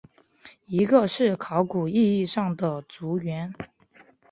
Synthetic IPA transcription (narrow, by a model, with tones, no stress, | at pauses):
i˧˥ɡə˧ʂɻ̩˥˩kʰɑ˧˥ʊku˨˩i˥˧i˥˧ʂɑ˥˩ŋd̪ə˩t͡su˧˥ɥɛ˧˥n